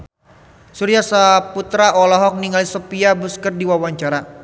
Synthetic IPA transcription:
suɾiasaput̪ɾaʔɔlɔɦɔk̚niŋalisɔpiabuskərdiwawaɲt͡ʃaɾa

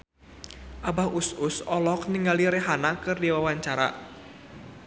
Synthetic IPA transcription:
ʔabahususɔlɔkniŋɡaliɾɛɦanakɨrdiwawaɲt͡ʃaɾa̰

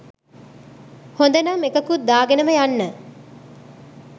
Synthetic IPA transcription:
hond̪ɐnɐmekɐkud̪aːɡenəməjanːə

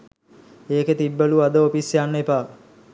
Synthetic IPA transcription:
eːket̪ibːəluad̪əopisjanːepaː

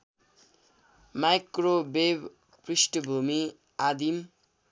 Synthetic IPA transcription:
majkrobeb | prisʈbʱumi | ad̪im

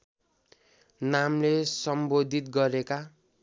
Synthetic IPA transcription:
namlesʌmbod̪ʱit̪̚ɡʌɾeka

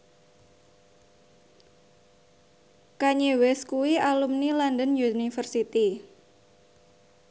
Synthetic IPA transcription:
kaɲewɛskuwialumnilandənjunifərsit̪i

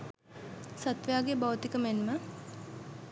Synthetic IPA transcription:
sat̪ʋejaːɡebawt̪ikəmenmə

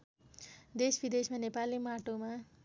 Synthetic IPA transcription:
d̪esbid̪esmanepalimaʈoma

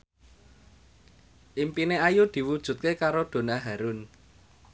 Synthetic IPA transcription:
ʔimpineajud̪̥i̤wud̥ʒ̥ṳt̪̚kekaɾod̪̥o̤naɦaɾʊn

